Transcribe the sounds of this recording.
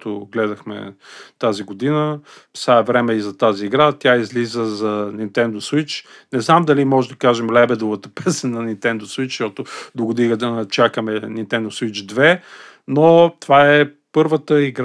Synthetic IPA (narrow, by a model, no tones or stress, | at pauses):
t̪ʊɡlɛd̪ɐxmɛ̰t̪aziɡod̪inə | saɛvɾɛmɛizɐt̪aziːɡɾat̪ʲjaizlizəzɐnint̪ɛnd̪oswit͡ʃ | nɛznamd̪ɐlimɔʒɛd̪ɐkaʒɛmlɛbɛd̪ʊvət̪əpɛsənɐnint̪ɛnd̪oswit͡ʃʃɔt̪ʊd̪oɡʊd̪iɡəd̪ɐnɐt͡ʃakəmɛnint̪ɛnd̪ʊswit͡ʃd̪vɛ | not̪ovaɛ | pɤɾvət̪əiɡɾ